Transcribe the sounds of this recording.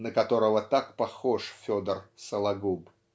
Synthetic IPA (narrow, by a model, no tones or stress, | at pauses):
nəkɐt̪o̞ɾəvət̪akpɐxoʂfʲod̪ərsəlˠɐɡub